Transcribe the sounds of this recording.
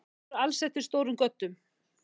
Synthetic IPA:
ɾalsɛht̪ɪɾ̥st̪oːwɾʏmkœt̪ːʏm

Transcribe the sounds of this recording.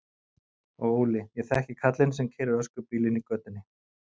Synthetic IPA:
ɔɣoːwlɪjɛθaɛhcɪkʰat̪lɪnsɛmcʰɛːɾʏɾœskʏɾpiːlɪnikœːt̪ʏnːɪ

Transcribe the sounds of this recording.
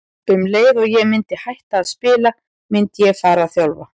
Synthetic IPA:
tʏmleːjðɔɣjɛɣmɪnt̪ɪhajht̪aːðspɪːla | mɪnt̪ɪjɛɣfaːɾaθjalva̰

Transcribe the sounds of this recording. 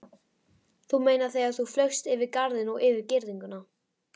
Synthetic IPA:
θumeːjnaɾθejaθuflœɥxst̪ɪvɪðkaɾðɪnɔɣɪːvɪɾcɪɾðiŋkʏna

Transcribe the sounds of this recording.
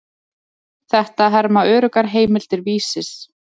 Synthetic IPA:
θɛht̪aðɦɛɾmaœːɾʏkaɾɦeːjmɪl̥t̪ɪɾviːsɪs

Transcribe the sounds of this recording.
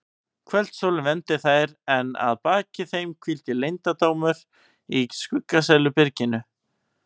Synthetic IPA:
kʰvɛl̥t̪solvɛnt̪ɪθajɾɛna̰ðpaːcɪθejmkʰvilt̪ɪlejnt̪at̪oːwmʏɾ̥ | iskʏkːas̬ɛlʏpɪɾcɪnʏ

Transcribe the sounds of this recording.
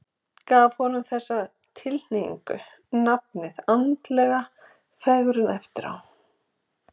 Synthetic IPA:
kaːvhɔnʏmθɛsːa | t̪ʰɪln̥ejḭŋkʏ | nap̚nɪðant̪lɛːɣa | fɛɣɾʏnɛft̪ɪɾa̰w

